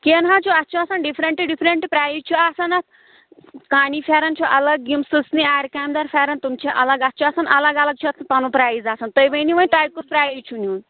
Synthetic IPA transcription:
kenɦãt͡ʃʰuɐt̪̚t͡ʃʰuɐsɐnɖipʰɾeɳʈiɖipʰɾeɳʈipɾajut͡ʃʰuasɐnɐt̪̚ʰ | kanipʰaɾɐnt͡ʃʰuʔɐlɐɡːimsɨsniaːɾkamd̪ɐɾfʰaɾɐnt̪umt͡ʃʰiʔɐlɐɡɐt̪̚ːt͡ʃʰuasɐnɐlɐɡɐlɐɡ̚t͡ʃʰuɐt̪ʰpɐnupɾaːjzasɐnt̪əjbɐjniʋɐnʈajp̚kuspɾajut͡ʃʰunun

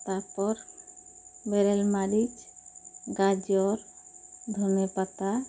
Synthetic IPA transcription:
t̪aɾpɔɾ | bɛɾɛlmaɾid͡ʒ | ɡad͡ʒɔɾd̪ʱunepat̪a

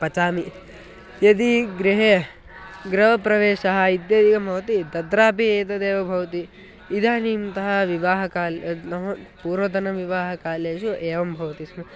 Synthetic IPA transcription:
pɐt͡ʃaːmi | jɐd̪iɡɾiɦe | ɡɾɐʋɐpɾɐʋeːʃɐɦɐid̪jɐd̪ikɐmbʱɐʋɐt̪id̪ɐd̪ɾaːpieːt̪ɐd̪eːʋɐbʱɐʋɐt̪iː | d̪ʱaːnimt̪ɐɦɐʋiʋaːɦɐkaːlnɐɦɐpuːɾʋɐd̪ɐnɐʋiʋaːɦɐkaːleːʃueːʋɐmbʱɐʋɐt̪ismɐ

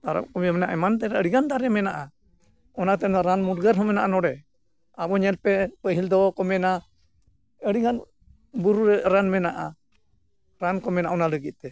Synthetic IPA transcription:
t̪aɾa̰p̚kɔmɛɔmɛnaʔɛmant̪̬ɛɾaəɽiɡand̪aɾɛmɛnaʔa | ɔnat̪ɛnɔɾanmuɾɡəɾɦɔmɛnaʔanɔɽɛ | abɔɲɛlpɛpəɦild̪ɔkɔmɛna | əɽiɡan | buɾuɾɛɾanmɛnaʔa | ɾankɔmɛnaʔɔnaləɡit̪̚t̪ɛ

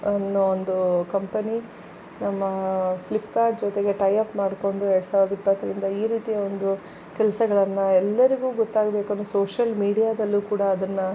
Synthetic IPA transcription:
ɐnːoond̪ukɐmpɐni | nɐmːɐpʰlipːkaːɾʈ̚d͡ʒɔt̪e̞ɡe̞ʈɐjɐpmaːɽko̞ɳɖuɛɾɽusaːʋuɾɐd̪ɐipːɐt̪ːɐɾind̪ɐiːɾiːt̪ijɐond̪u | kɛlɐsɐɡɐɭɐnːɐɛlːɐɾiɡuːɡɔt̪ːaːɡɐbeːkuɐnːosoːʂɐlmiːɽijaːd̪ɐlːuːkuːɽɐːd̪ɐnːɐ

